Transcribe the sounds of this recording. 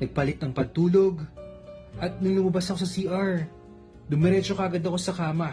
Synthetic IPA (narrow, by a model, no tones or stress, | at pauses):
nɐɡ̚pɐlɪt̪ɐŋpɐɡ̚t̪uːlo̞ɡ | ʔɐt̪̚nʊŋlʊmɐbasɐko̞sɐsiːʔaɹ | d̪ʊmɛɾɛt͡ʃokɐaʔɐɡɐd̪ɐko̞sɐkaːmɐ